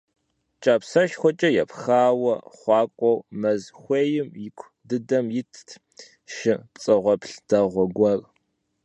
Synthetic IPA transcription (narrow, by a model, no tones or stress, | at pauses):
t͡ʃʼaːpsɐʃxʷɔt͡ʃʼɐjɛpxaːwɐχʷɑːkʷʼɔwmɐzxʷeːjɪmjɪkʷʰ | dɨdɐmjɪtʰ | ʃɪt͡sʼɨʁʷɔpɬd̥ɐʁʷɔɡʷɐr